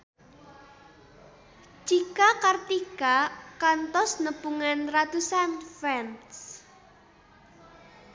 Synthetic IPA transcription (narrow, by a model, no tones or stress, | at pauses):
d͡ʒikakart̪ikakant̪ɔsnəbuŋanrad̪usanfɛnt̪s